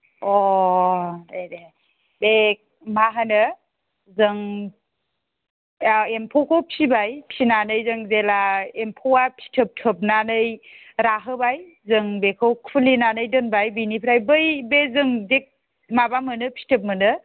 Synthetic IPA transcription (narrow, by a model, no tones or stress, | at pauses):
ɔ | nede | bek̚ | maɦanɯ | zɯŋ | empʰɔwkʰowpʰibajpʰinanɯjzɯŋzelaempʰowapʰi̥tʰɯp̚tʰɯp̚nanɯj | ɾaɦɯbaj | zɯŋbekʰɯwkʰulinanɯjdɯnbajbinipʰɾajbɯjbezɯŋzek̚ | mabamɯnɯpʰi̥tʰɯp̚mɯnɯ